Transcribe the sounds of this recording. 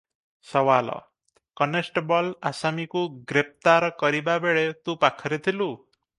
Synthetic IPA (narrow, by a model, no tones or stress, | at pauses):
sʌwalɔ̰ | kʌnesʈbɔlasamikuɡɾep̚t̪aɾkʌɾibabeɭet̪ũpakʰʌɾet̪ʰilu